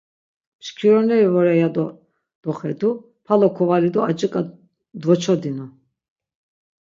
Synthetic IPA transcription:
mʃkʰiɾɔnɛɾivɔɾɛjad̪ɔ | d̪̥ɔχɛd̪u | pʰalɔkʰɔvalid̪ɔat͡ʃʼikʼa | d̪vɔt͡ʃʰɔd̪inɔ

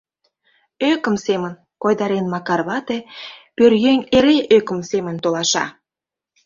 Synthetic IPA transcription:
økə̆msemə̆n | kojd̪ɑɾenmɑkɑrβɑt̪epørjeŋeɾeʔøkə̆msemə̆nt̪olɑʃɑ̰

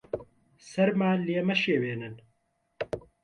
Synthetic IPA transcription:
sɐɾmaːleːmɐʃeːweːnɨn

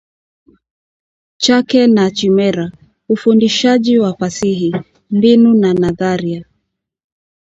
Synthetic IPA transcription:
t͡ʃakɛnat͡ʃimɛɾa | ufundiʃaʄiwafasihi | minunanaðaɾia

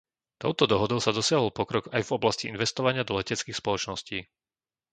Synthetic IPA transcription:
t̪ɔ̰ʊt̪ɔd̪ɔɦɔd̪ɔʊsad̪ɔsɪaɦɔlpɔkɾɔɡajvɔblasciʔinʋɛst̪ɔʋaɲɪad̪ɔlɛcɛt͡skiːxspɔlɔt͡ʃnɔsciː

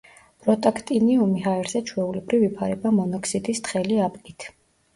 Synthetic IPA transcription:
bʼɾɔt̪ʼakʰt̪ʼiniumiɦaɛɾzɛt͡ʃʰwɛulɛbɾivipʰaɾɛbamɔnɔkʰsid̪ist̪χɛliapʼkʼit̪ʰ

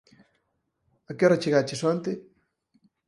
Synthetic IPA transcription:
akɛɾat͡ʃeɣat͡ʃeswant̪e

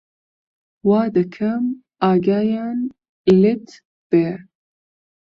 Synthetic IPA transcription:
waːd̪ɨkʰɐm | aːɡaːjaːn | ilet̪ | b̥e

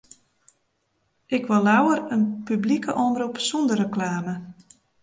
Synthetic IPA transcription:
ʔɪkʋɔlːawəɾənpyblikʰəʔɔmrupsɔndərəklaːmə

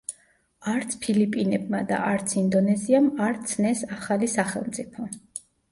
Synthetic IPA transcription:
aɾt̪sʰpʰilipʼinɛbmad̪a̰ʔaɾt̪sʰind̪ɔnɛziamaɾt̪sʰnɛsaχalisaχɛ̰lˠmt̪sʼipʰɔ

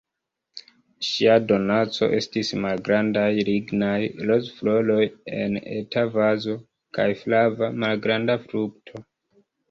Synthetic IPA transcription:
ʃiado̞nat͡so̞̰ʔe̞stismalɡɾandajɾiɡnajlozflo̞lo̞jḛnḛtavazo̞ | kajflavamalɡɾandafɾuk̚tʰo̞

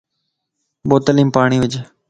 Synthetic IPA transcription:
boːt̪əliːmpaːɳ̃iːʋɪd͡ʒ

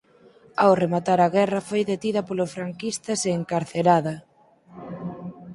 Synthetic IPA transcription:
awremat̪aɾɐɣɛrɐfojðet̪iðɐpolʊfɾaŋkist̪ɐseːŋkaɾθeɾaðɐ

